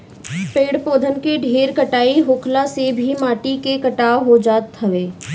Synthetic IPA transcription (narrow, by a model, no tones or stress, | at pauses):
peːɽpoːd̪ʱənkeɖʱeːɾkəʈaːiɦoːkʰlasebʱimaːʈikekɐʈaːoɦod͡ʒaːt̪ʰːəʋeː